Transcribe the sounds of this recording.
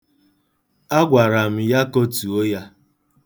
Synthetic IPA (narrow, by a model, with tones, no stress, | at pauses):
a˦ɡʷa˨ɾa˨m̩˦ja˦ko˦tu˨o˦ja˦